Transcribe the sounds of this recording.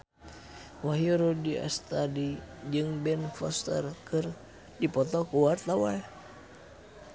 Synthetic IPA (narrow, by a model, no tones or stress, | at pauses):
waɦiuɾodia̰st̪adid͡ʒɨŋbɛnfɔ̰st̪ə̰rkɨr | dipɔt̪ɔkuwart̪awal